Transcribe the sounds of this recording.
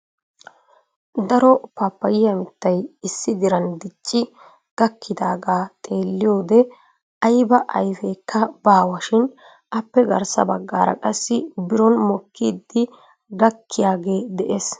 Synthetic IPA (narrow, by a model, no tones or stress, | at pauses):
d̪ɐɾɔpapːɐjɪjɐmɪt̪ːɐjɪsːɪd̪ɪɾɐnd̪ɪt͡ʃʼːɪ | ɡ̥ɐkʰːɪd̪aːɡaːt̪ʼe̞ːlːɪjo̞ːd̪ɛ | ɐjbɐʔɐ̰jfeːkʰːɐbaːwɐʃɪn | ʔɐpːɛɡɐ̰ɾsɐbɐɡːa̰ːɾɐ̰kʼɐsːɪbɪɾɔnmɔkːiːd̪ːɪ | ɡɐkːɪjaːɡe̞ːd̪ɛʔeːs